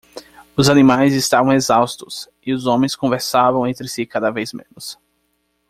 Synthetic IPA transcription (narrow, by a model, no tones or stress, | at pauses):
ʊzanĩmajzɪst̪avɐ̃w̃ezawst̪ʊs | ɪʊzõmẽj̃skõveɾsavɐ̃w̃ẽnt̪ɾɪsɪkad̪ɐvejzmḛ̃nʊs